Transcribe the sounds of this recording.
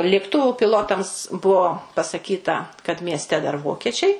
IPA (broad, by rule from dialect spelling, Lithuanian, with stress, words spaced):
lʲeːkˈtʊʋʊ pʲɪˈlˠoːtɐms ˈbʊʋoː pɐsɐˈkʲiːtɐ kɐt mʲiɛsʲˈtʲɛ dɐr ˈʋoːkʲiɛt͡ʃʲɛɪ